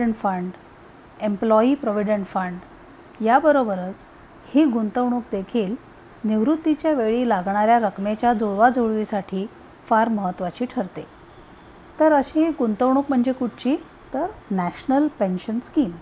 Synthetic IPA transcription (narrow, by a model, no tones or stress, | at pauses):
əɳʈfəɳɖ | emplɔipɾɔʋiɖəɳʈfəɳɖ | jabəɾobəɾət͡s | hiːɡunt̪əʋɳuːk̚d̪ekʰiːl | niʋɾut̪ːit͡ɕjaʋeɭiːlaɡɳaɾjaɾəkmet͡ɕjad͡zuɭʋad͡zʱoɭʋisaʈʰiː | faɾməɦət̪ːʋat͡ɕiːʈʰəɾt̪e | t̪əɾəɕiɦiɡunt̪əʋɳ̃uːkm̤əɳd͡ʑekuʈ̚ʰt͡ɕiː | t̪əɾnæɕnəlpenɕənskiːm